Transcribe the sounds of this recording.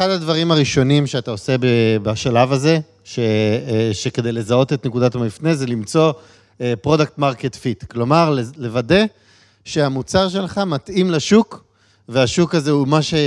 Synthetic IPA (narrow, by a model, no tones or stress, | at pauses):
eχadadvaʁimaʁiʃo̞nimʃeataose̞bebaʃalavaze̞ | ʃeʃeke̞d̪e̞jle̞zao̞t̪et̪nekudatmifne̞zelimt͡so̞ | epʁo̞dak̚t̪maʁket̪fitklo̞maʁlele̞vade̞ | ʃe̞amut͡saʁʃ̬e̞lχamat̪imlaʃuk | ve̞aʃukazeumaʃe